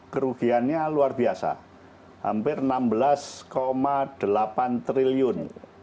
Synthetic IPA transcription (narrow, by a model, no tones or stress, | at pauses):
kəɾuɡ̥ianɲaluarbiasa̰ | ha̰mpɪrnambəlaskomad̪̥əlapant̪ɾiliʊn